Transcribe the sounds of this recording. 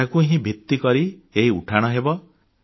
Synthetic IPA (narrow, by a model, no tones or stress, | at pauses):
akuɦĩbʱikt̪ːikɔɾieɦiṵʈʰaɽ̃ɔɦebɔ